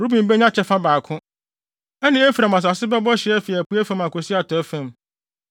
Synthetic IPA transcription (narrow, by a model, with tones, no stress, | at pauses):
ɾu˦bĩ˨m̩˦be˦ɲã˦t͡ɕʰɛ˦fã˦baː˨kʰʊ̃˦ | ɛ˦nɪ̃˦e˦fi˨ɾa˨mã˨s̬a˨sɪ˦bɛ˦bɔ˦ɕɪ˨˦ɛ˦fi˨æ˨pu˦æ˦fã˦mã˨kʊ˨sɪ˦a˨tʰɔ˨˦fæ̃˦˨m